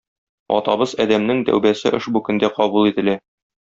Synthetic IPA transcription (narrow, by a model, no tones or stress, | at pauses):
ɒ̰t̪ɑbɤzɒd̪æmnɘŋd̪æ̰wbæsɘ̰ʔɘ̰ʃbukɵ̆nd̪æqɒbulˠit̪ɘ̆læ